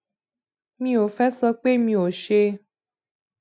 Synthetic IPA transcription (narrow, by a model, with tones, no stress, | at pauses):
mĩ˧˦o˨fɛ˦sɔ˧k͡pe˦mĩ˧o˨ʃe˧